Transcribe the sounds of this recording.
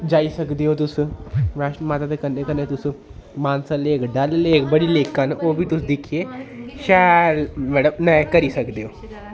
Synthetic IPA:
d͡ʒaːisəkd̪eːɦoːt̪ʊsɾaːʃnmaːt̪aːd̪eːkənːeːkənːeːt̪ʊsũmaːnsãːleːkɖalleːkbəɽiːleːkanoːbiːt̪ʊsd̪ɪkʰieːʃalmɛɖəbnãkəɾiːsəkd̪eːɦoː

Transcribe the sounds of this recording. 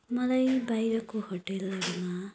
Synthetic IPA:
mʌlajbajɾʌkohoʈelːʌɡema

